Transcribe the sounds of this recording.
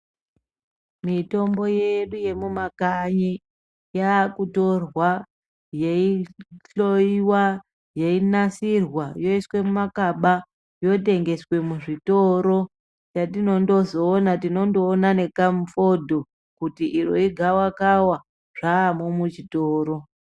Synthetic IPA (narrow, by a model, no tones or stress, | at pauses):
mito̞mbo̞je̞ɗuje̞mumakaɲi | jaːkuto̞rwa | jeiɬo̞iwa | jeinasirwajo̞iswe̞mumakaɓa | jo̞te̞ŋɡe̞swe̞muʐitoɾo̞ | t͡ʃatino̞ndo̞zo̞ːnatino̞ndoːnane̞kamufo̞dʱo̞ | kutiʔiroiɡʱawakawa | ʐ̥aːmomut͡ʃitoːɾo̞